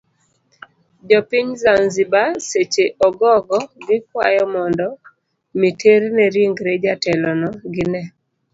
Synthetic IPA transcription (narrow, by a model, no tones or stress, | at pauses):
d͡ʒɔpɪɲzanzibaset͡ʃeʔɔɡɔɡɔɡɪkwa̰jɔmɔndɔ | mitʰeɾnɛɾiŋɡɾed͡ʒatɛlɔnɔɡɪnɛ